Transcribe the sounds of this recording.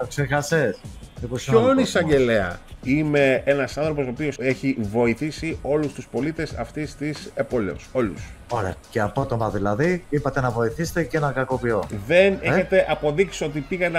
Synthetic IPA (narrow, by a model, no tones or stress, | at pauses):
t̪oksexɐsesmiposonisɐɟe̞le̞ɐ̰ime̞enɐsɐnθɾo̞po̞sopio̞seçivo̞iθisio̞lust̪uspo̞lit̪e̞sɐ̰ft̪ist̪isebo̞lḛṵso̞lṵs | o̞ɾeɐceɐpo̞t̪o̞mɐðilɐðiipɐt̪e̞nɐvo̞iθise̥t̪e̞cenɐkɐko̞pio̞ðe̞neçet̪e̞ʔɐpo̞ðiksio̞t̪̬ipiɣɐn